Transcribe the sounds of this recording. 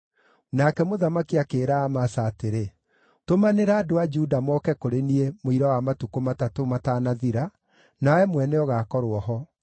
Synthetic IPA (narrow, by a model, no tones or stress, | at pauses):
nakɛmoðamakiakeːɾaːmasaːteɾe | tomaneɾaːdoad͡ʒudamɔːkɛkoɾeniemoiɾawamatukomatatomataːnaðiɾa | naɛmwɛnɛɔɣakɔɾoɔɦɔ